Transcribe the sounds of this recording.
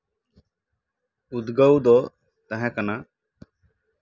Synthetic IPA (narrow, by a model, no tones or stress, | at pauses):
ud̪ɡəwd̪ɔ | t̪əɦɛ̃kənaː